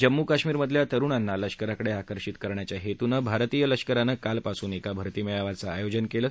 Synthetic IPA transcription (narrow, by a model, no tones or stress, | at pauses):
d͡ʑəmːukaɕmiːɾməd̪ʱljat̪əɾuɳanːaləɕkəɾakəɽeakəɾɕit̪kəɾɳjat͡ɕjaɦet̪unəbʱaɾt̪ijələɕkəɾanəkalpasuːnekabʱəɾt̪iːmɛɭaʋat͡saːjod͡ʑənkeləː